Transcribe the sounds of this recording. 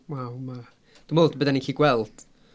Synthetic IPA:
wawma | d̥umolˠdbədɛnikʰiːɡwɛlˠd̥

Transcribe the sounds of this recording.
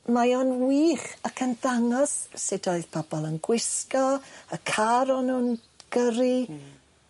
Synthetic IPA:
majɔnwiːχakʰənðaŋɔssɪdɔɨðpʰɔbɔlˠənɡwɪskɔəkʰaɾɔnuːn | ɡ̥əɾi

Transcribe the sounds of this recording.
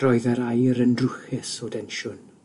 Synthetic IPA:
rɔɨðəɾajɾəndrʊxɪsɔdɛnʃʊn

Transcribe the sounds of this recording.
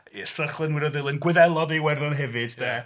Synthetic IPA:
ɛsəχlˠənwɪdɔðɪlˠənɡwɪðɛlˠɔdiwɛrðɔnɦɛvɨd̥d̥ɛː

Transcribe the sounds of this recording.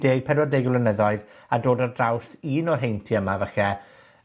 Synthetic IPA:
d̥eːɡ̚pʰɛdwɔdejɡwlənəðɔɨðadoːdərdrawsiːnɔrɦejntʰiəmavɛxɛ

